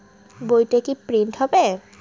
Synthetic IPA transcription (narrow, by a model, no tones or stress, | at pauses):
bojʈekipɾiɳʈɦɔbe